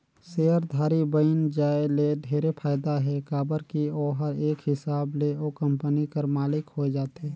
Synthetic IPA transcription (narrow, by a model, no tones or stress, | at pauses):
seːəɾd̪ʱaːɾibəɪnd͡ʒaːeled̪ʱeːɾepʰaːjɪd̪aɦɛkaːbəɾkioːɦəɾeːkɦɪsaːbleokə̃mpənikəɾmaːlɪkhoed͡ʒaːt̪eː